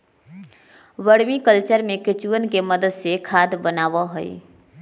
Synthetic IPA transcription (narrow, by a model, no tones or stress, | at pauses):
ʋəɽmikəlt͡ʃəɾmẽkɪt͡ʃuənkeməd̪əd̪sekʰaːd̪bənaːʋəɦəḭ